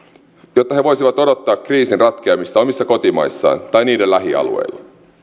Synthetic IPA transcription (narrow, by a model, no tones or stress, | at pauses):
jot̪ːɑɦe̞ʋo̞jsiʋɑt̪o̞do̞t̪ːɑːkːriːsinrɑt̪k̟eɑmist̪ɑo̞misːɑko̞t̪imɑ̰jsːɑ̰ːnt̪ɑjniːdelæɦiɑ̰lṵḛilːɑ̰